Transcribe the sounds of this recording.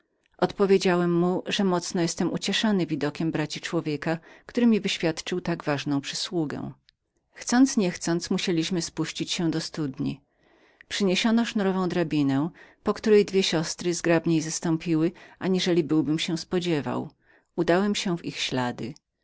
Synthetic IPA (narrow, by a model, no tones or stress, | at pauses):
ʔɔt̪pɔvʲjed͡ʑawɛmːuʐɛmɔt̪snɔjɛst̪ɛmʔut͡ɕɛʂɔnɘvʲid̪ɔkʲɛmbɾat͡ɕit͡ʂwɔvʲjekakt̪uɾɘmʲivɘɕfʲjat̪t͡ʂɘwt̪aɡvaʐnɔ̃w̃pʂɘswuɡɛ̰w̃ | xt̪sɔnt̪sɲɛxt̪sɔnt̪smuɕelʲiɕmɘspuɕt͡ɕit͡ɕɕɛ̃d̪ɔst̪ud̪ɲḭ | pʂɘɲeɕɔnɔʂnuɾɔvɔ̃w̃d̪ɾabʲinɛ̃pɔkt̪uɾɛjd̪vʲjɛɕɔst̪ɾɘzɡɾabɲejzast̪ɔ̃mpʲiwɘʔaɲiʐɛlʲibɘwbɘmɕɛw̃spɔd͡ʑɛva̰w | ud̪awɛmɕɛ̃vixɕlad̪ɘ̰